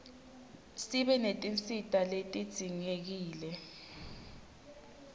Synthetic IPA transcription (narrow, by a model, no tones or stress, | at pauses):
siɓɛnetʼinsitʼaletʼid̥z̥ʱiŋek̬iːlɛ